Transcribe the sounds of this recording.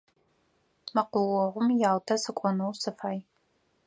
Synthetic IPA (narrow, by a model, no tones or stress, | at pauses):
mɐqʷʊwɔʁʷʊmjaːwtʰɐsɨkʷʼɔnɐwsɨfaːj